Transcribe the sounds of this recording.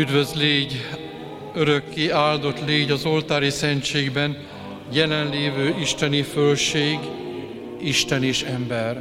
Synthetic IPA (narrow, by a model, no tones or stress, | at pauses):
yd̪vøzleːɟ | øɾø̞kːiaːld̪o̞t̪leːɟɒzo̞lt̪aːɾisɛɲt͡ʃeːɡbɛn | jɛlɛnleːvøːʔiʃt̪ɛnifølʃeːɡ | iʃt̪ɛneːʃɛmbɛr